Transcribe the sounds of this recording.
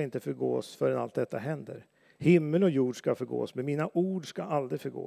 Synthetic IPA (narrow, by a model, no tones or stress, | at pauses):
ɪnt̪əfœɾɡo̰ːsfœɾɛnalt̪̚d̪ɛt̪ːa̰ɦɛnd̪ə̰ɾ | hɪmːəlɔjuːɖʂkafœɾɡo̰ːsmɛnmiːnaʔuːɖʂkaʔald̪ɾɪfœɾɡo̰ː